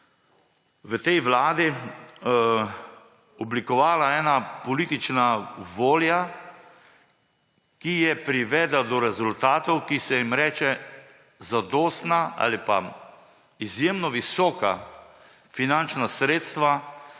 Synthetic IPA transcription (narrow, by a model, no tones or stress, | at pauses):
ʋət̪ɛjʋlaːd̪i | ɔblikɔʋaːlaɛːnapɔliːt̪it͡ʃnaʋoːlja | kijɛpɾiʋɛːd̪lad̪ɔɾɛzult̪aːt̪ɔwkisɛjimɾɛːt͡ʃɛ | zad̪ɔːst̪naʔa̰ːlipa̰ | izjeːmnɔʋisɔːka̰ | finant͡ʃnasɾeːt̪st̪ʋa